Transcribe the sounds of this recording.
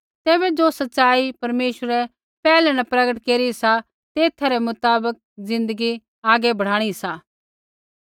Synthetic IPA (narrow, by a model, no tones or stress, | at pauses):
t̪ɛːbɛd͡ʒoːsɐtːʃaːipɐɾmeːʃəɾɛ | pɛːlɛ̃nɐpɾɐɡəʈkeːɾisa | t̪eːt̪ʰaɾɛmʊt̪aːbək̚zɪ̃nd̪əɡi | aːɡɛbʱɐɽ̤aːɽ̃isaː